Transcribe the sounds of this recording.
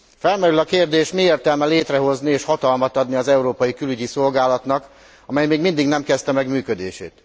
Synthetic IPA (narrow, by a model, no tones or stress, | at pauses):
fɛlmɛɾylɒkeːrd̪eːʃmieːrt̪ɛlmɛleːt̪rɛɦo̞znieːʃhɒt̪ɒlmɒt̪ɒd̪niɒzɛuɾoːpɒjikylyɟiso̞lɡaːlɒt̪nɒk | ɒmɛjmeːɡmind̪iɡnɛmkɛst̪ɛmɛɡmyːkød̪ḛːʃḛːt̪